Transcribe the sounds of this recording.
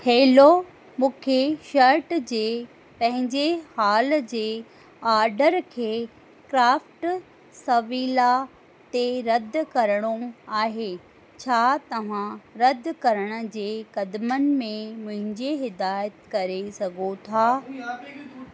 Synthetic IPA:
heːlo | mũːkʰeʃɐɾʈd͡ʑeː | pɐ̃ɦɪ̃ɲd͡ʑehaːld͡ʑeː | aːɾɖəɾkʰeː | kɾaːfʈ | sɐʋiːla | t̪eɾɐd̪ʱkɐɾəɽ̃oaːɦe | t͡ɕʰaːt̪ɐʋ̤ãɾɐd̪ʱkɐɾəɽ̃ə̆d͡ʑeːkɐd̪mənɪ̆mẽmʊ̃ɦɪ̃ɲd͡ʑeɦɪd̪aːjət̪kɐɾesɐɡʱot̪ʰaː

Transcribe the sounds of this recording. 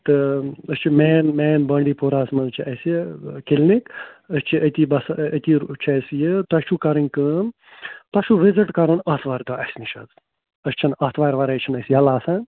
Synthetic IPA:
t̪ɨəst͡ʃʰimeːnmeːnbɐɳɖiːpoɾaːsmɐlt͡ʃʰiʔɐskilnikəst͡ʃʰiʔɐt̪iːbɐsɐt̪ʲiːt͡ʃʰɐsjɨt̪ɐʃʰukɐɾinʲkɨn | t̪ɐʃuʋiziʈkɐɾunɐt̪ʰʋaːɾd̪oʔɐsʲniʃɐ̰z | ɐst͡ʃʰɐnɐt̪ʰʋaːɾʋɐɾɐt͡ʃʰinɐsijɐlaːsãːn

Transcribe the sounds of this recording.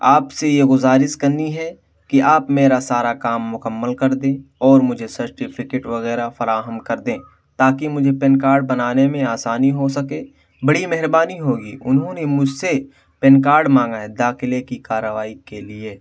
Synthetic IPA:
aːpsejeɡʊzaːɾɪskɐɾniɦɛ | kiʔaːpmeːɾasaːɾakaːmːʊkəmːəlkɐɾd̪ẽːɔːɾmʊd͡ʒʱesɐɾʈɪpʰɪkeːʈʋɐɣɛːɾafɐɾaːɦəmkɐɾd̪ẽː | t̪aːkimʊd͡ʒʱepɪnkaːɾɖ̚bɐnaːnemẽaːsaːniɦosɐkẽː | bɐɽimɛɦɾbaːniɦoːɡiːʔʊnɦõːnemʊd͡ʒʱse | pɪnkaːɾɖmãːŋɡaed̪aːxɪlekikaːɾːəʋaːikelie

